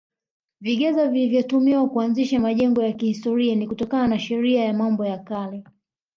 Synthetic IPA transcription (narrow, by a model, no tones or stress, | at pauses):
viɠɛzavilivjɔtumiwakuanziʃamaʄɛŋɡɔjakihistɔɾianikutɔkananaʃɛɾiajamambɔjakalɛ